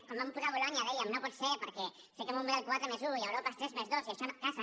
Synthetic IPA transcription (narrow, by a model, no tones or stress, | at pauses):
komampuɾaβolaɲaðejaminoposepoɾke | sekemombeɾalkwat̪ɾemezujaoɾapast̪ɾezmezðosieʃankasa